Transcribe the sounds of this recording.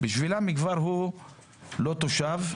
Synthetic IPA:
biʃvilamikvaɾɦu | lot̪oʃav

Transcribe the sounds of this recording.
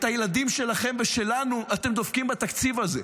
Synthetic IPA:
t̪ajelad̪imʃe̞laχemveʃe̞lanuat̪e̞md̪ofkimbat̪akt͡sivaze

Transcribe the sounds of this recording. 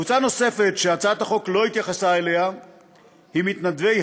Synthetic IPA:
ut͡sano̞se̞fe̞t̪ʃeat͡saat̪aχo̞klo̞it̪jaχasaele̞ɦa | himit̪nad̪vej

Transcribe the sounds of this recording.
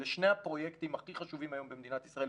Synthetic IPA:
eʃne̞apʁo̞jekt̪imaχiχaʃuvimajo̞mbemed̪inat̪isʁae

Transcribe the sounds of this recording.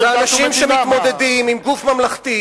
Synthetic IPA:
veanaʃimmʃemit̪mo̞d̪ed̪imimɡufmamlaχt̪i

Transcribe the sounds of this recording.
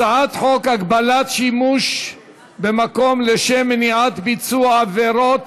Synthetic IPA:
ʕat̪ħokaɡbalat̪ʃimuʃ | bemako̞mleʃemːeniʕat̪bit͡suaaveɾo̞t̪

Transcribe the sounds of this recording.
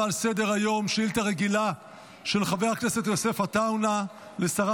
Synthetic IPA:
alsede̞ʁajo̞mʃilt̪aʁeɡila | ʃe̞lχavejakneset̪jo̞se̞fat̪awna | le̞saʁa

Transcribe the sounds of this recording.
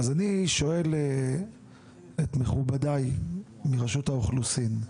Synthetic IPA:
azaniʃo̞e̞le | etmeχubadaj | miʁaʃuthaoχlusin

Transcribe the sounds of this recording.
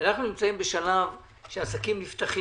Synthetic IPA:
anaχnunimt͡saimbe̞ʃalav | ʃeasakimnift̪aχi

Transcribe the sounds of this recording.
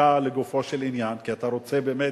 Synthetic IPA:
aleɡofo̞ʃelinjankiat̪aʁo̞t͡sebe̞ːme

